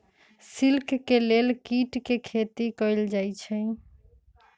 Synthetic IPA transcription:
silkʰːelelkiʈkekʰet̪ikəɪld͡ʒajt͡ʃʰɛ̃

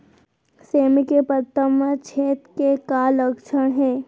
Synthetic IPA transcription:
seːmkepət̪ːəmət͡ʃʰeːt̪kekaːləkt͡ʃʰəɽ̃ɦɛː

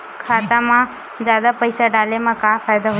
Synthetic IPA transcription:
kʰaːt̪amã | zjaːd̪apəɪsaɖaːlemãkaːfʰaːjd̪aɦʊ

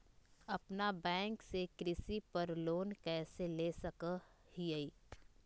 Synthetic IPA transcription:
ɐpnabɛ̃ːŋksekɾɪsipɐɾloːnkɛːseleːsɐkə | hiəiː

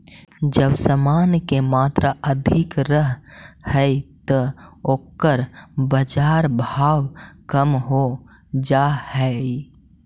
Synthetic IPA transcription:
d͡ʒəbsəmaːnkemaːt̪ɾaʔəd̪ʱɪkɾəɦhəjt̪əoːkːəɾbəd͡ʒaːɾbʱaːwkəmɦo | d͡ʒahɛ

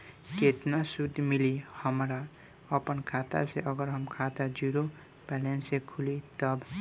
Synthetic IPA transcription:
ket̪nasud̪ʱmilihəmɾa | əpənkʰat̪a̰seʔəɡəɾɦʌmkʰat̪ad͡ʒuɾo | pɛlensekʰulit̪ʌb

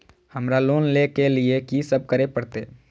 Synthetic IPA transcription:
həmɾaloːnlekeliekisəb̚kəɾepəɽt̪ḛː

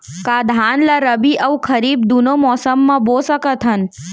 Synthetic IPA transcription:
kad̪ʱaːnlaɾəbiʔəwkʰəɾiːb̚d̪unomɔːsəmːãboːsəkət̪ʰɦən

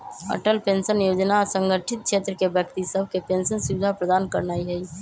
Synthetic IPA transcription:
ə̰ʈəlpẽnsənjoːd͡ʒnasə̃ŋɡəʈʰɪt̪̚kʃeːt̪ɾəkebjəkt̪isəb̚ʱkepẽnsənsubd̪ʱapɾəd̪aːnkəɾnaːiɦɛi

